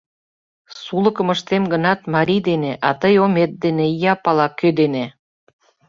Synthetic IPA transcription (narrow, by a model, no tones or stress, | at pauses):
sulə̆kə̆məʃt̪emɡə̆nɑt̪mɑɾʲid̪eneʔɑt̪əjomet̪̚d̪enejɑpɑlɑkød̪ene